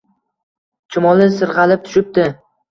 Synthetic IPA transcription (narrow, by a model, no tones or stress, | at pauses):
t͡ʃʰʊmɒlˠɪsɨɾʁɑlɪp̚t̪ʰʊ̥ʃɪp̚t̪ɪ